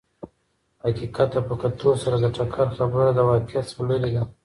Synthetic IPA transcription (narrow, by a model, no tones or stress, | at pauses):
hakiqat̪ːapəkat̪ʰosaɾad̪əʈakʰaɾxabəɾad̪əwɑkɪat̪sləɾid̪a